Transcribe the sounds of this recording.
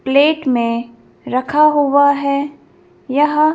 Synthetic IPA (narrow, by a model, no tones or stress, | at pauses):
pleːʈmẽ | ɾɐkʰaɦuwaɦɛ | jɐɦ